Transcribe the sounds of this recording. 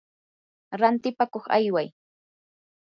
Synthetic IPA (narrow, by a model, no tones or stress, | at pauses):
ɾant̪ɪpakoχa̰jwaj